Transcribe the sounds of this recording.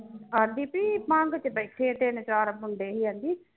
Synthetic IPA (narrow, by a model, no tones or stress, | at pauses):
aːnd̪iːpiːpãːŋɡt͡ʃbəkʰːeːt̪ɪnt͡ʃaːɾbʊɳɖeːɦiːə̃nd̪iː